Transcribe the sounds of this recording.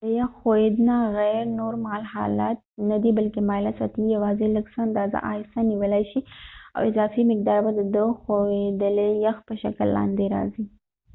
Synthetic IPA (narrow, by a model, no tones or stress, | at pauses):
d̪əjaxxojed̪naɣaɾnoɾmɑlhɑ̰lat̪̚nad̪ibalkemɑlasɑ̰t̪ijawɑzeləɡsaand̪ɑza̰ʔɑsaniwəlajʃia̰wɪzɑfimɪk̚d̪ɑɾbad̪əd̪əxowed̪əlejaxpəʃa̰kəlːɑ̰nd̪eɾɑ̰zi